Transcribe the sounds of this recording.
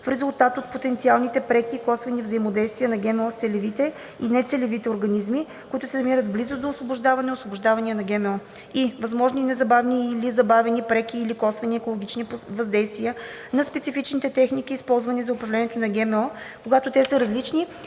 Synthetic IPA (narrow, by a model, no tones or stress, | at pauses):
fɾɛzʊlˠt̪at̪ot̪̚pot̪ɛnt̪sialˠnit̪ɛpɾɛkʲiːkɔsvɐnivzɐimod̪ɛjst̪vʲijənɐɡɛmɛɔst̪sɛlɛvit̪ɛ | inɛt̪sɛlɛvit̪ɛʊɾɡɐnizmi | kʊit̪ʊsɛnɐmiɾət̪blizʊd̪oːsvobʊʒd̪avɐnɛosvobʊʒd̪avɐniənɐɡʲɛmɛɔ | ivɐzmɔʒninɛzɐbavniːlizɐbavɛnipɾɛkʲiːlikɔsvɐniɛkolˠoɡ̟ʲit͡ʃnivɐzd̪ɛjst̪viə | nɐspɛt̪sifit͡ʃnit̪ɛt̪ɛxnik̟iːspɔlˠzvɐnizɐʊpɾɐvlɛniɛt̪onɐɡɛmɛɔkoɡat̪ʊt̪ɛsəɾɐzlit͡ʃni